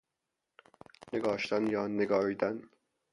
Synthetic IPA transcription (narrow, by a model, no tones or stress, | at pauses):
neɡɒːʃt̪ænjɒːneɡɒːɾiːd̪æn